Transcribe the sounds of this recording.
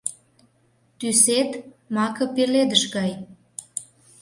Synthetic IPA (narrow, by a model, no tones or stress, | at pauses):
t̪yset̪ | mɑkɤ̆peled̪əʃɣɑj